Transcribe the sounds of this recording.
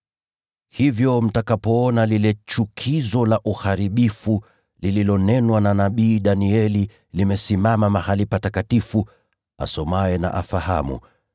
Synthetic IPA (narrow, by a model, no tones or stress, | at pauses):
hivjɔm̩takapɔɔnalilɛt͡ʃukʰizɔlaʔuhaɾiɓifu | lililɔnɛnwananaɓiːɗaniɛli | limɛsimamamahalipatakatifu | a̰sɔmaɛna̰ʔa̰faha̰mṵ